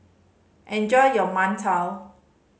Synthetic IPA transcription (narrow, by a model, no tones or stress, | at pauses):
ʔɛ̃nd͡ʒɔjjɔmantʰaw